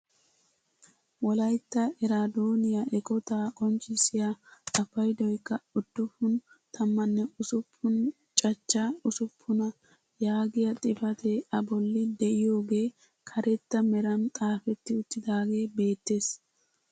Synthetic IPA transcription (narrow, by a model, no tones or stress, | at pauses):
wɔlɐjt̪ːɐʔɛɾad̪oːnɪjaʔɛkɔt̪aːkʼɔnt͡ʃʼːɪsɪjaɐfɐjd̪ɔjkːɐʊd̪̥ːʊfʊn | t̪ʰɐmːɐnːɛʊsʊpʰːʊn | t͡ʃʼɐt͡ʃːaʊsʊpʰːʊnɐ | jaːɡɪjɐt̪ʼɪfɐt̪ʰɛɐbɔlːɪd̪ɛʔɪjo̞ːɡe̞ː | kʰɐɾɛt̪ːɐmɛɾɐnt̪ʼaːfɛt̪ːɪʊt̪ːɪd̪aːɡe̞ːbe̞ːt̪ːeːs